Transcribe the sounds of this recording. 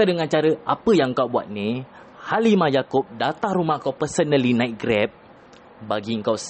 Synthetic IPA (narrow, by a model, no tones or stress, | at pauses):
adəŋãnt͡ʃaɾəʔapəjaŋkawbua̰t̪̚ni | halimãjakʊp̚dat̪ahɾumahkawpərsənəlinãj̚ɡɾɛp̚ | baɡiəŋkaw